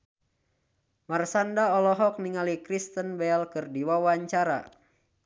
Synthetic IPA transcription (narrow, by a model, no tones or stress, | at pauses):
marsandaɔlɔɦɔk̚niŋalikɾist̪ənbɛlkɨrdiwawaɲt͡ʃaɾa̰